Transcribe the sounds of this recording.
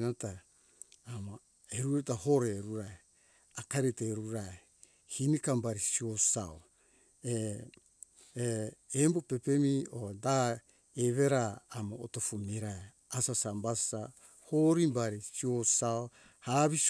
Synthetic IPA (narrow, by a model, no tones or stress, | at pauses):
nataː | ma | eɾuɾetahoɾeɾuɾae | akaɾeteɾuɾae | hinikambaɾisiosao | e | embope̞pe̞mioda | eβeɾaːmao̰tofumiɾae | asasambassa | hoɾimbaɾisiosao | haβis